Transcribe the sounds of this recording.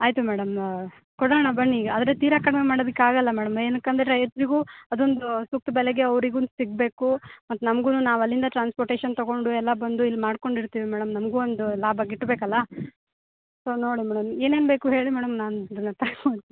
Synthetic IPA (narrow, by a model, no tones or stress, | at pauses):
aːjt̪umæːɽɐm | kɔɽɐɳɐbɐɳːiɐd̪ɐɾet̪iːɾɐkɐɽmemaːɽod̪ɐkːaːɡɐlːɐmɛːɽɐmeːnɐkːɐnd̪ɐɾeɐjɐsɾiɡuːɐd̪ond̪usuk̚t̪ubɛlɛɡe̞ɐʋɾiɡunsiɡ̚be̞ːkumɐt̪ːnɐmɐɡunuːnaːʋɐlːind̪ɐʈɾaːnspoɾʈeːʃɐnt̪ɐɡo̞ɳɖuɛlːɐbɐnd̪uilːmaːɽko̞ɳɖiɾt̪iːʋimæːɽɐmnɐmɡuond̪ulaːbʱɐɡiʈːbeːkɐlːɐ | so̞ːno̞ːɽimæːɽɐme̞ːne̞ːnbe̞ːkuɦe̞ːɭimɛːɽɐmnaːnuid̪ɐnːɐt̪ɐko